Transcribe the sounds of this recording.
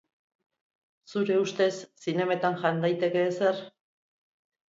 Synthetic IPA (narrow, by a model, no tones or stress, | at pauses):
suɾe̞ust̪e̞sːine̞met̪anʝand̪ajt̪e̞ke̞ːse̞r